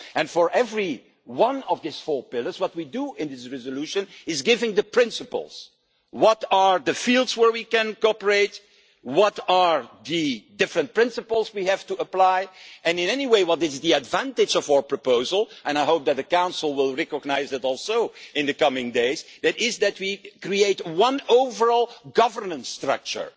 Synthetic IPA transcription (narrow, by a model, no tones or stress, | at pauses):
ɨ̃nfə˞ʔɛvɹi | wʌ̃nɔvd̪ɪsfɔɹpɪlˠə˞zwʌt̚widuɪ̃nðɪsɹɛzəluʃɨ̃nɪzɡɪvɪ̃ŋðəpʰɹ̥ɪ̃nsəpə̰l̩ˠz̥ | wʌtəɹðɨfilˠdzwə˞wikɨ̃nkɔpəɹeɪt̚ | wʌtəɹðɨdɪfɹɨ̃nt̚pɹɪ̃nsəpl̩ˠzwihæv̥tuəplaɪʔɨ̃nɪ̃nɛniweɪwʌtɪzðiɨdvæ̃ntɨd͡ʒɔvaʊə˞pɹ̥ɔpoʊzəlˠʔɛ̃naɪɦoʊp̚d̪ɨt̪̚ðɨkãʊ̃nsl̩ˠwɪlˠɹɛkəɡnaɪzɨtɔlˠsoʊɪ̃nd̪ɨkʌmɪ̃ŋdeɪzðɨɾɪzðɨt̚wikɹieɪtwʌ̃noʊvə˞ɔlˠɡʌvə˞nə̃nstɹʌ̰k̚t͡ʃə̰˞